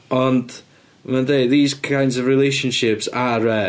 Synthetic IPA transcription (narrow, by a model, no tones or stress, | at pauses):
ɔnd | mandeɪdðiːzkʰãjndzɔvɹɪlˠejʃə̃nʃɪpsaɾɛ